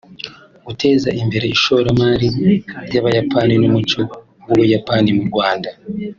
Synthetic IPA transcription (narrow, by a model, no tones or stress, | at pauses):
ɡute̞ːzaʔimbe̞ɾeiʃo̞ɾamaɾiɾɟaβajapʰaninumut͡ʃo̞ | wowujapanimuɾɡwaːnda